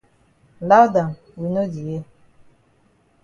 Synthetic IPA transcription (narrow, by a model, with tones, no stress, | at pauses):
la˦wda˨n | wi˨no˦di˨je˦